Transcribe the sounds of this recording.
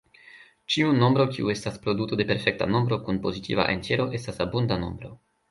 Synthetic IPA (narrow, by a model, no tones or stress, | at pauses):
t͡ʃiuno̞mbɾo̞kiue̞staspɾo̞dutode̞pe̞ɾfe̞k̚ta̰no̞mbɾo̞kunpo̞zitḭva̰ʔḛntjeɾo̞ʔe̞stasabundano̞̰mbɾo̞̰